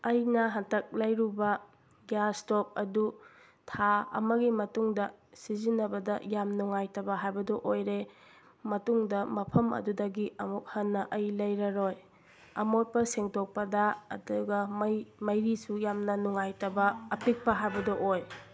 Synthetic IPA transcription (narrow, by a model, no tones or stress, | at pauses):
ɐjnɐɦɐntʰɐk̚lɐjɾubɐ | ɡjastop̚ɐdu | tʰaɐ̰mɐɡimɐtuŋdɐsizinːɐbɐdɐjamnuŋajtɐbɐɦajbɐdɔʔojɾe | mɐtuŋdɐmɐpʰɐmɐ̰dudɐɡiɐmuk̚hɐnːɐʔɐjlɐjɾɐɾoj | ɐmot̚pɐseŋtʰok̚pɐdɐɐ̰duɡɐmjmɐjɾisujamnɐnuŋajtɐbɐːpik̚pɐɦajbɐdɐʔoj